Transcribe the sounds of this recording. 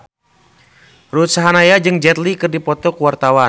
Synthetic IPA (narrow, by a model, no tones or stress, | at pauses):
ɾut̪saɦanajad͡ʒɨŋd͡ʒɛt̪likɨrdipɔt̪ɔkuwart̪awa